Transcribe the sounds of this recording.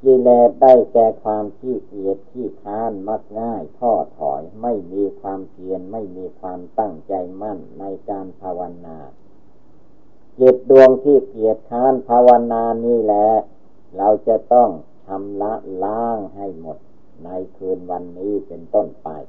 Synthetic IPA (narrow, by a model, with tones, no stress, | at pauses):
kiː˧˩lɛː˧˩t̪̚da˥˩jt̪ɛː˧kʰwaː˧mkʰiː˧˥˩ki˨˩ət̪̚t̪ʰːiː˧˩k̪ʰaː˧˥nma˧˥˩k̚ŋaː˧˥˩jt̪ʰɔː˧˥˩t̪ʰɔ̰ː˩˦jma˥˩jmiː˧kʰwaː˧mki˧ənma˥˩jmiː˧kʰwaː˧mt̪a˥˩ŋt͡ɕa˧jma˥˩nːa˧jkaː˧npʰaː˧wa˧naː˧ | ke˨˩t̪̚du˧əŋt̪ʰiː˧˥˩ki˨˩ət̪̚kʰaː˧˥˨npʰaː˧wa˧naː˧niː˦˥˩lɛː˦˥ | ɾa˧wt͡ɕa˧˩t̪ɔ˥˩ŋ | t̪ʰa˧mla˦˥laː˦˥ŋɦa˥˩jmo˨˩t̪̚ | na˧jkʰɯː˧nwa˧nːiː˦˥˩pe˧nt̪o˥˩npa̰˧j